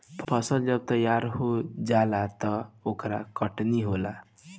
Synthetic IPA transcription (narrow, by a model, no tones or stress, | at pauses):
pʰpʰʌsʌld͡ʒʌb̚t̪ʌjaɾɦod͡ʒalat̪ʌokɾakʌʈniɦola